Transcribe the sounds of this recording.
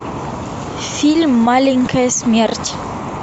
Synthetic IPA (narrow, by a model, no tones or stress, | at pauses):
filmːaliŋkʰɛsmɛrt͡ʃ